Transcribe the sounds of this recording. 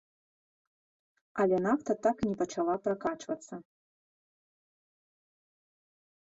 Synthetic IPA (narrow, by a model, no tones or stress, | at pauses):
alʲenakt̪ʰat̪aknʲipaʈ͡ʂʰalˠaprakaʈ͡ʂʰʼvat͡sʰɐ